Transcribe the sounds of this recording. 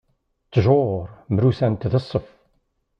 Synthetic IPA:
t͡s̪ːʒoɾˤmɾusænt̪ðəsˤːəf

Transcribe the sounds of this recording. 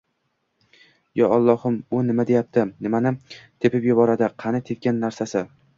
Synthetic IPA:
jɒɒlˠːɒhʊmʊnɪmad̪e̞jap̚t̪ʰɪnɪmanɪt̪ʰepɪpjʊbɒɾad̪ɪqʰɑnɪt̪ʰet̪̚kʲanːaɾsasɪ

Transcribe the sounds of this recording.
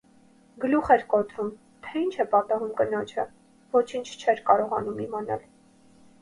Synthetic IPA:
ɡəluχɛɾkɔt̪ɾum | t̪ʰɛint͡ʃʰɛpɑt̪ɑɦumkənɔt͡ʃʰə | vɔt͡ʃʰint͡ʃʰt͡ʃʰɛɾkɑɾɔʁɑnumimɑnɑ̰l

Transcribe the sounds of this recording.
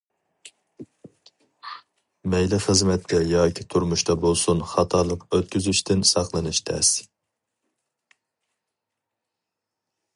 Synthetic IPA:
mɛjlɪχəzmɛt̪ːɛjɑːkʲʰɪt̪ʰuɾmuʃt̪ɑbolˠsunχɑt̪ʰɑːlˠəqøt̪̚kʲyzyʃt̪ʰɪnsɑqlˠɨnɨʃt̪ʰɛ̰s

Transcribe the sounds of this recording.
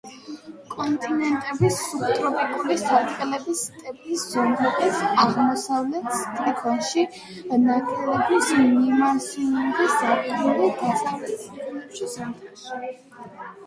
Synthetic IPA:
kʼɔnt̪ʼinɛnt̪ʼɛbisːupʰt̪ʼɾɔpʼikʼɔbisd̪ʰat̪ʼqʼɛlɛbist̪ʼɛpʼliszɔmɾɛbisaʁmɔsavlɛt̪st̪ʼɾikʰɔnʃi | nakʰʼɛlɛbismnimasiuŋɡisakʼɾulid̪asalɛt̪skulɛpʃisaχʼɛʃi

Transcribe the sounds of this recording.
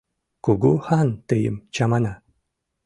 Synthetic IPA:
kuɡuhant̪ɨjə̰mt͡ɕamana

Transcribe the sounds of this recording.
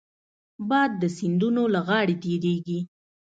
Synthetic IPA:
bɑad̪ːəsɪnd̪unolaɣɑɽet̪eɾeɡi

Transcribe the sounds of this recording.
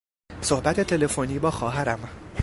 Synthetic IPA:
so̞hbæt̪ʰe̞t̪ʰe̞le̞foniːbɒːxɒːɦæɾæm

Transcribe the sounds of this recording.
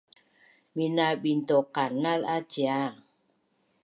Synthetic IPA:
minaɓintokanːalat͡ʃa

